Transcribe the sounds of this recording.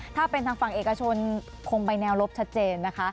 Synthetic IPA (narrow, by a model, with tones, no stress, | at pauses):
t̪ʰaː˥˩pe˧nt̪ʰaː˧ŋfa˨˩ŋʔeː˨˩kːa˧t͡ɕʰo˧n | kʰo˧ŋpa˧jnɛː˧wɾo˦˥p̚t͡ɕʰa˦˥t̪̚t͡ɕeː˧nːa˦˥kʰa˦˥